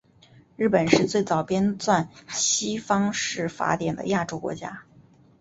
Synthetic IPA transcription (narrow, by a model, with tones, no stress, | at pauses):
ɻɻ̩˥˩pə˨˩nʂɻ̩˥˧t͡swe˥˩ɪt͡sɑ˨˩ʊpjɛ˥nt͡swa˥˩nɕi˥fɑ˥ŋʂɻ̩˥˩fa̰˧˥t̪jɛ˨˩nd̪ə̰˦ja˥˩ʈ͡ʂo˥ʊkwɔ̰˧˥t͡ɕja̰˥